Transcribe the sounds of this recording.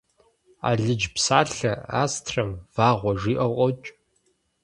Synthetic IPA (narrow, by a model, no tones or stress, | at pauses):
a̰ːɮɨd͡ʒpsaːɬɐaːstʰrɐmvaːʁʷɔʐiːʔɐwqʷʼɔt͡ʃʼ